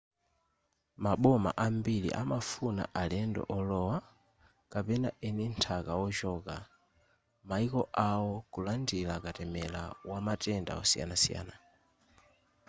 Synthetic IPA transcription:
maɓɔma̰ʔambilḭʔamafuna̰ʔalɛndɔ̰ʔɔlɔwa | kapɛnaʔɛnintʰakawɔt͡ʃɔka | maikɔʔawɔkulandilakatɛmɛla̰wamatɛnda̰ɔsija̰nasija̰ːna

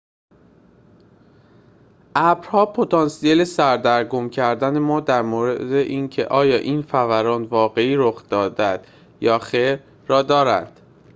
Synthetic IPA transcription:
ʔæbɾhɒːpʰot̪ʰɒːnsiele̞sæɾd̪æɾɡomcʰæɾd̪ænemɒːd̪æɾmoːɾed̪eʔiːncʰe̞̰ʔɒːjɒːʔiːnfævæɾɒːnvɒːɣe̞iːɾoxd̪ɒːd̪æd̪̥ | jɒːxeɾː | ɒːd̪ɒːɾæ̰nd̪̥

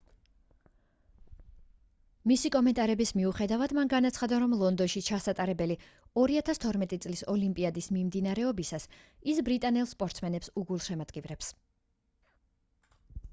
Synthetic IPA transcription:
misikʼɔmɛnt̪ʼaɾɛbismiuχɛd̪avad̪manɡanat̪sʰχad̪aɾɔmlˠɔnd̪ɔnʃit͡ʃʰasat̪ʼaɾɛbɛli | ɔɾiat̪ʰast̪ʰɔɾmɛt̪ʼit̪sʼlisɔlimpʼiad̪ismimd̪inaɾɛɔbisas | isbɾit̪ʼanɛlˠspʼɔɾt̪sʰmɛnɛpsuɡulˠʃɛmad̪ɡʼivɾɛps

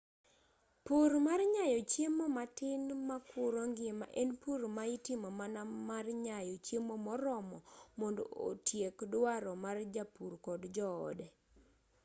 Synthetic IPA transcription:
puɾmarɲajɔt͡ʃjemomatɪnmakʰʊɾɔŋɡma̰ʔɛnpuɾmaɪtɪmɔmanamarɲajɔt͡ʃemomɔɾɔmɔmɔndo̰o̰tjekdwaɾɔmard͡ʒapurkɔdd͡ʒɔɔ̰dɛ

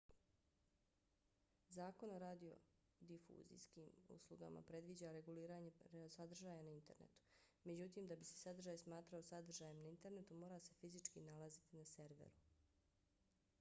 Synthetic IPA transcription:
zaːko̞noɾaːd̪io̞̰ | d̪ifṵːzḭjskiːmṵslˠuɡa̰mʔa̰pɾe̞d̪ʋid͡ʑaɾe̞ɡuliːɾaːɲe̞sad̪r̩ʒaːjanaint̪e̞ɾne̞̰t̪u̥me̞d͡ʑut̪iːmd̪abise̥sad̪rʒaːjsmaːt̪ɾao̞sad̪r̩ʒaːjemnaint̪e̞ɾnet̪umo̞ːɾase̞fizit͡ʃkḭnalazit̪inase̞ɾʋḛɾu

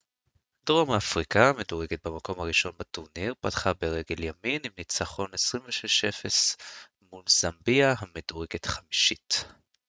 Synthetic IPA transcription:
d̥ʁomaːfʁikaameduʁeɡet̪̚bamako̞mhaʁiʃo̞nbatuʁniʁpatχabe̞ʁeɡe̞ljaminimnit͡saχo̞nesʁiɱveʃeʃefes | mulzambiahamedoʁeɡetχamiʃit

